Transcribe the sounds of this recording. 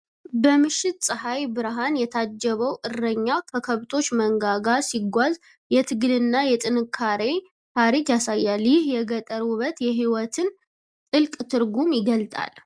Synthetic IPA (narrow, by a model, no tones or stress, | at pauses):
bəmɨʃːɪt̪sʼɨhajbɨɾɦanjɛt̪ʰad͡ʒːɛβəwʔɨrːəɲːakʰəkʰəβt̪ʰo̞t͡ʃːməŋɡaɡasiɡʷaz | jɛt̪ʰɨɡɨlɨnːajɛt̪ʼɨnɨkʰːaɾe̞ | t̪ʰaɾikjasajːaljɪhjɛɡət̪ʼəɾuβət̪jɛɦiwɔt̪ʰɨn | t̪ʼɨlkʼt̪ʰɨɾɡumjɪɡəlt̪ʼa̰l